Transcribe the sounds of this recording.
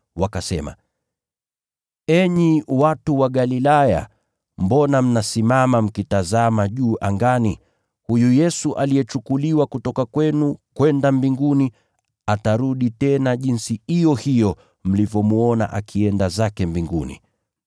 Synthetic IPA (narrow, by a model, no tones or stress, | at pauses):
wakasɛma̰ | ɛɲiwatuwaɠalilaja̰ | mbɔnam̩nasimamam̩kitazamaʄuːʔaŋɡani | hujujɛsuʔaliɛt͡ʃukuliwakutɔkakwɛnukwɛndambiŋɡuni | ataɾuɗitɛnaʄinsihijɔhijɔ | m̩livjɔmuɔna̰ʔakʰiɛndazakɛmbiŋɡunḭ